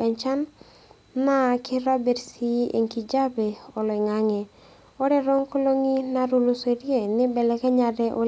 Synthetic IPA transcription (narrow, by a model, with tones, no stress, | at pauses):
ɛ˨ɲt͡ʃa˦nː | a˦kɪ˦ɾa˦be˨ɾsi˦ʔḛ˨ŋki˨d͡ʒa˦be˨ɔ˨lɔ˨ɛ˨ŋa˦ŋɛ˨ | ɔ˦ɾɛ˦ɾɔ˦ŋko˦lo˦ŋi˦na˦ɾu˦˨lo˨se˨ɾje˦˨nɪ˦bɛ˨lɛ˦kɛ˦ɲa˨ɾɛ˦ʔo˦